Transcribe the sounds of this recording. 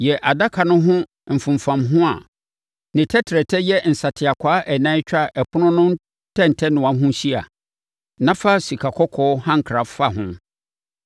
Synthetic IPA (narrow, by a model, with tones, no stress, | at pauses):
jɛ˨ʔa˨da˦kʰa˨nʊ̃˦ɦʊ̃˦ | m̩˨fʊ̃˨m˨fã˨mɦʊ̃˦a̰˨ | nɪ̃˨tʰɛ˦tʰɾɛ˨tʰɛ˦jɛ˦n̩˨sa˨tʰɪ˨a˨kʷʰaː˨˦ʔɛ˨nã˦t͡ɕᶣa˦˨ʔɛ˨pʰʊ˦nʊ̃˦nʊ̃˦n˦ | tʰɛ̃˦˨n̩˨tʰɛ˦nʊ̃˨ã˨˦ɦʊ̃˦ɕi˦a˨ | nã˦fa˦si˨kʰa˨kʰɔ˦kʰɔː˦hã˦ŋ̩˨kʰɾa˨fa˦ɦʊ̃˦